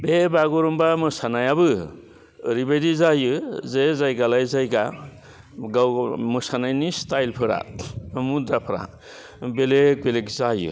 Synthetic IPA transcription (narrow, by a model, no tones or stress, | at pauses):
bebaɡɔɾɔmbamɯsanajabɯ | ɾibajdizajɯzezajɡalajzajɡa | ɡawmɯsanajnistajlpʰɯɾa̰mudɾapʰɾa̰ | belek̚belekzajɯ̰